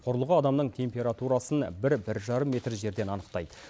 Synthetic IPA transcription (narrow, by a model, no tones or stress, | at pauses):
qʰʊɾəlˠʁəɑd̪ɑmnəɴt̪ʰe̞mpʲe̞ɾat̪uɾɑsənbɪɾbɪɾʒɑɾəmːe̞t̪rʒe̞ɾd̪e̞nɑnəqt̪ɑjd̪ə